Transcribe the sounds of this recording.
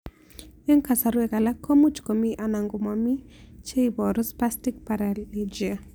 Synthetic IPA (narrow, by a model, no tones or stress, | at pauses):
ɛŋkasaɾuɛkalakʰːomut͡ʃkomiʔanaŋɡumamit͡ʃeibɔɾuspastik̚paɾallid͡ʒia